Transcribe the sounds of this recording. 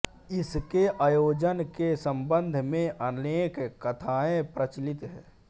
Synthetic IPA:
ɪskeʔaːjoːd͡ʒənkesə̃mbə̃nd̪ʱmẽʔəneːkkːət̪ʰaːẽpɾət͡ʃlɪt̪ɦɛ̰̃ː

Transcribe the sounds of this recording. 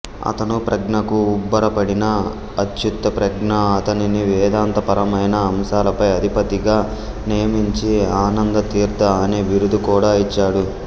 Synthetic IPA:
ɐ̰t̪ɐnupɾɐɡɳɐkuːbːɐɾɐpɐɽinɐː | d̪jut̪ːɐpɾɐɡɳɐːt̪ɐniniʋɛːd̪aːnt̪ɐpɐɾɐmɐjnɐːmʃaːlɐpɐjɐd̪ʱipɐt̪iɡaː | nijɐmiɲt͡ʃiaːnɐnd̪ɐt̪iːɾt̪ɐːneːʋiɾud̪ukuːɽaːit͡ʃːaːɽu

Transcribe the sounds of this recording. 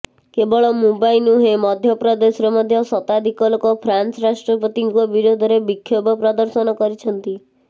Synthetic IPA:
kebɔɭɔmubainuɦemɔd̪ʱjɔpɾɔd̪esɔɾɔmɔd̪ʱjɔsɔt̪ad̪ʱikɔlokɔpʰɾansɾasʈɾɔpɔt̪iŋkuɔbiɾod̪ʱɔɾebikʰːjobɔpɾɔd̪ɔɾsɔnɔkɔɾit͡ʃʰɔnt̪i

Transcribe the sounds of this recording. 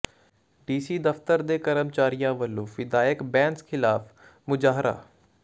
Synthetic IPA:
ɖiːsiːd̪əft̪əɾd̪eːkəɾəmt͡ʃaːɾijãːʋəlːõːʋɪd̪aːjəkbɛ̃ːnskʰɪlaːf | mʊd͡ʒaːɦɾa̰ː

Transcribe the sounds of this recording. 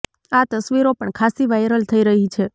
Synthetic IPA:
at̪əsʋiɾopəɳkʰasiʋajɾəlt̪ʰəiɾəɦit͡ʃʰe

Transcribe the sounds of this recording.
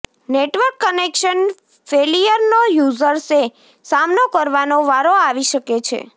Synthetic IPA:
neʈʋəɾkːənekʃən | felijəɾnojuzəɾse | samnokəɾʋanoʋaɾoaʋiʃəket͡ʃʰḛ

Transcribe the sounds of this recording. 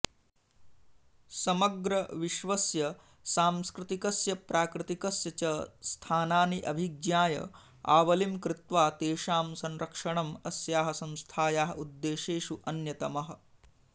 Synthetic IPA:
sɐmɐɡɾɐʋiʃʋɐsjɐ | saːmskɾɪt̪ikɐsjɐpɾaːkɾɪt̪ikɐsjɐt͡ʃɐst̪ʰaːnaːniʔɐbʱiɡjaːjɐ̰ | a̰ːʋɐlimkɾɪt̪ʋaːt̪eːʃaːmsɐnɾɐkʂɐɳɐmɐsjaːɦɐsɐ̃nst̪ʰaːjaːɦɐud̪ːeːʃeːʂuʔɐnjɐt̪ɐmɐɦɐ̆

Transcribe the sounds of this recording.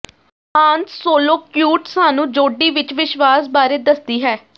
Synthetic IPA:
ãːnt̪soːloːkjuːʈsaːnũːd͡ʒoːɖiːʋɪt͡ʃʋɪʃʋaːsbaːɾeːd̪əsd̪iːɦɛː

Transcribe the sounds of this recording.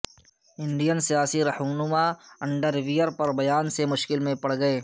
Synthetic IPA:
ɪ̃ɳɖijənsijaːsiɾɐhuːnʊmaɐ̃ɳɖəɾʋijəɾpɐɾbɐjaːnsemʊʃkɪlmẽpɐɽ̤ɡɐeː

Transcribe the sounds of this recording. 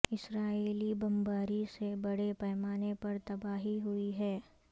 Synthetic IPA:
ɪsɾaːeːlibɐ̃mbaːɾisebɐɽepɛːmaːnepɐɾt̪ɐbaːɦiɦʊiɦɛː

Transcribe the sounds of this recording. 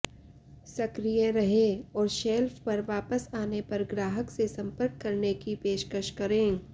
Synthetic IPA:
sɐkɾijeɾɐɦeɔːɾʃɛːlfpɐɾʋaːpəsaːnepɐɾɡɾaːɦəksesɐ̃mpəɾkːɐɾnekipeːʃkəʃkɐɾẽː

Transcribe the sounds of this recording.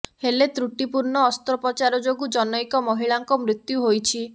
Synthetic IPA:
helet̪ɾuʈipuɾɳɔːst̪ɾɔpɔt͡ʃaɾɔd͡ʒoɡud͡ʒɔnɔjkɔmɔɦiɭaŋkɔmɾit̪juɦojt͡ʃʰi

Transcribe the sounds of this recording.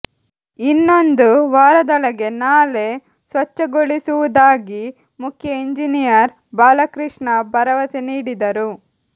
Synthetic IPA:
inːo̞nd̪uʋaːɾɐd̪ɔɭɐɡe̞naːle̞ | sʋɐt͡ʃːɐɡoɭisuʋud̪aːɡi | mukʰjɐiɲd͡ʒinijɐɾ | baːlɐkɾiʂɳɐbɐɾɐʋɐseniːɽid̪ɐɾu

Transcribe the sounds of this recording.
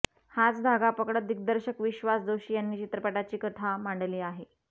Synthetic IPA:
hat͡sd̪ʱaɡapəkɽət̪̚d̪iɡ̚d̪əɾɕəkʋiɕʋasd̪oɕiːjanːiːt͡ɕit̪ɾəpaʈat͡ɕiːkət̪ʰamaɳɖliːaɦe

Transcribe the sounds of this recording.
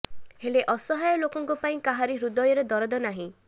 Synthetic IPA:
heleʔɔsɔɦajɔlokɔŋkupaĩkaɦaɾiɦɾud̪ɔjɔɾɔd̪ɔɾɔd̪ɔnaɦĩ

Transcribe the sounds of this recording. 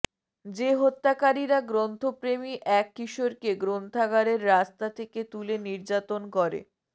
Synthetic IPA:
d͡ʑeɦot̪ːakaɾiɾaɡɾont̪ʰopɾemiʔɛkːiʃoɾkeɡɾont̪ʰaɡaɾeɾːast̪at̪ʰeket̪uleniɾd͡ʑat̪onkɔɾḛ

